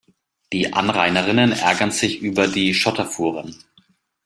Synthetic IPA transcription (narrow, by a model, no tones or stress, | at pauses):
d̥iːʔa̰nʁa̰ɪnəʁɪnənʔɛ̰ɐɡɐnz̥ɪçʔyːbɐdiːʃɔtɐfuːʁən